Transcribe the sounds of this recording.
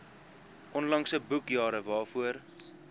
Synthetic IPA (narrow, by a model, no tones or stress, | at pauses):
ʔɔnlɐŋsəbukjɑːɾəvɑːfuər